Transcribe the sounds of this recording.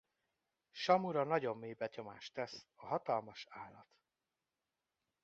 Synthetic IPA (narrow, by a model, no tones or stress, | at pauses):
ʃɒmuɾɒnɒɟo̞mːeːbɛɲo̞maːʃt̪ɛsɒɦɒt̪ɒlmɒʃaːlːɒt̪